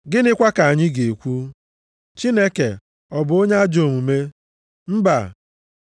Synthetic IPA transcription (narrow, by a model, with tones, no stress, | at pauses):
ɡɪ˦nɪ˦kʷa˦ka˨a˨ɲɪ˦ɡe˨kʷu˦ | t͡ʃi˦ne˦ke˨ | ɔ˨bʊ˨o˦ɲe˦a˦d͡ʒo˨ŋu˨me˦ | m̩˦ba̰˨